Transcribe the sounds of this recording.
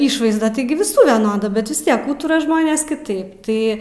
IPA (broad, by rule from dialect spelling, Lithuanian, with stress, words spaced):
ˈɪʃʋɐɪzdɐ ˈtɐɪɡʲɪ ʋʲɪˈsuː ʋʲɛˈnoːdɐ ˈbʲɛt ʋʲɪs ˈtʲiɛk ˈuːtʊrɐ ˈʒmoːnʲeːs kʲɪˈtɐɪp ˈtɐɪ